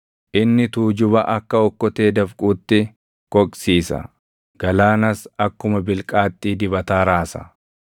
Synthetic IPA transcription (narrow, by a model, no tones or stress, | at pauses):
ʔɪnːɪt̪uːd͡ʒʊβɐʔɐkːɐɔkːɔt̪e̞ːd̪ɐfkʼuːt̪ːɪ | kʼɔkʼsiːsɐ̰ | ɡ̥ɐlaːnɐsɐkːʊmɐbɪlkʼaːt̪ʼːiːd̪ɪbɐt̪aːɾaːsɐ̰